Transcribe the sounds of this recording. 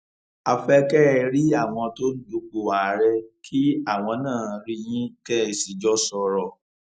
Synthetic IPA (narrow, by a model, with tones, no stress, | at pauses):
a˧fɛ˦kɛ˦˧ɾi˦a˦˨w̃ɔ̃˧to˦n̩˦du˧˦k͡po˨a˨ɾɛ˧kʰi˦a˦˨w̃ɔ̃˧nãː˦˨ɾi˧j̃ĩ˦kɛ˦˨si˨d͡ʒɔ˦sɔ˧ɾɔ˨